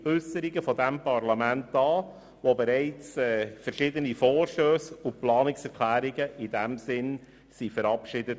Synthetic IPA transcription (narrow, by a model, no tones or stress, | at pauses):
œsəɾiɡəfɔd̪æmpɑrlɑmæntɑː | ʋobɛɾɛɪt͡sɛːfəɾʃɪdənifɔːrʃtøːsʊplɑːnɪksɛʁkʰlæːɾiɡəʔidæmsɪn | sifəɾɑpʃɪdət